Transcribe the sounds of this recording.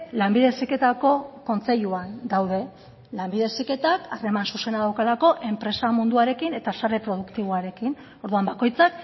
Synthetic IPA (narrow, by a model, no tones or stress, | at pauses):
lambiðe̞sike̞t̪ako̞ko̞nt͡se̞ʎuand̪awð̞e̞ | lambiðe̞sike̞t̪akare̞mansuse̞naðawkalako̞ʔe̞mpɾe̞samund̪uaɾe̞kine̞t̪asaɾe̞pɾo̞ð̞ukt̪iβ̞oaɾe̞kin | o̞ɾðuambako̞jt͡sak